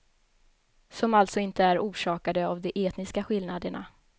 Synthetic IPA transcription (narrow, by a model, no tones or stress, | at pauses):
sɔmalt̪sɔɪnt̪əæɾuːʂɑːkad̪əavd̪ɛʔeːt̪nɪskaɧɪlnad̪əɳa̰